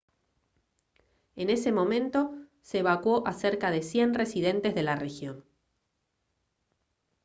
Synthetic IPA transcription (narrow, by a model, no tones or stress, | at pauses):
e̞ne̞semõ̞mẽ̞nt̪o̞seːβakwo̞ʔase̞ɾkaðe̞sje̞nre̞siðe̞nt̪e̞zðe̞lare̞xjo̞n